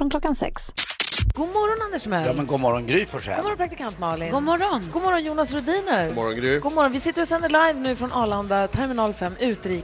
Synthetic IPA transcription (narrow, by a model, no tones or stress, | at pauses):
fɾɔnkʰlɔkːansɛ̰ksɡ̥uːmɔɾɔnand̪əʂmɛjɑːmɛnɡuːmɔɾɔnɡɾyːfœʂɛ̰ɡmɔɾɔnpʰɾakt̪ɪkʰant̪mɑːɭɪnɡuːmɔɾɔnɡuːmɔɾɔnjuːnasɾʊd̪iːnəɾmɔɾɔ̰nɡɾyɡuːmɔɾɔnvɪsɪt̪ːəɾɔsɛnd̪əɭajvnʉ̟ːfɾɔnʔɑːland̪at̪ʰɛɾmɪnɑːlfɛmːʉ̟ːt̪ɾiː